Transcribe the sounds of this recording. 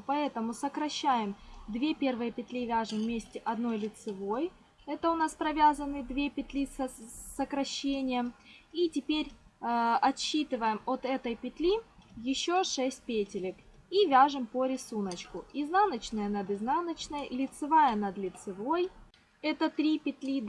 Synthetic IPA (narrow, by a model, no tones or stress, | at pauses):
pɐɛt̪əmʊsəkɾɐɕːæjɪmd̪vʲe̞pʲe̞rvɨjəpʲɪt̪lʲivʲaʐɨmːʲesʲtʲɪʔɐd̪no̞jlʲɪt̪sɨvo̞j | ɛt̪əʊn̪aspɾɐvʲazənɨd̪vʲepʲɪt̪lʲissəkɾɐɕːenʲɪjəmitʲɪpʲeɾʲ | ɐt̪ɕːit̪ɨvəjɪmot̪ɛt̪əjpʲɪt̪lʲijɪɕːoʂɛsʲt̚ʲpʲetʲɪlʲɪk | ivʲaʐɨmpəɾʲɪsunət͡ɕkʊiznanət͡ɕnəjənəd̪ɨznanət͡ɕnəjlʲɪt̪sɨvajənɐd̪lʲɪt̪sɨvo̞j | ɛt̪ət̪ɾʲipʲɪt̪lʲid̪